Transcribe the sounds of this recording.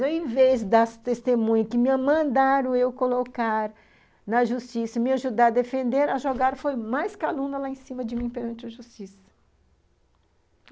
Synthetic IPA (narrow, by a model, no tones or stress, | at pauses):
eẽvezd̪ast̪est̪emũɲɐkɪmĩɐmɐ̃d̪aɾʊ̃ewkolokaɾ | nɐʒust͡ʃisɐmɪaʒud̪aɾɐd̪efẽnd̪eɾɐʒoɡaɾfojmajskalũnɐlaẽsĩmɐd͡ʒɪmĩpeɾɐ̃nt͡ʃɪɐʒust͡ʃisɐ̥